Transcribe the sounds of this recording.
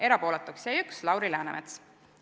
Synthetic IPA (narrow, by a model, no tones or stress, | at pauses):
e̞ɾɑpo̞ːlet̪ːˑukseːykslɑwɾilæːnemet̪s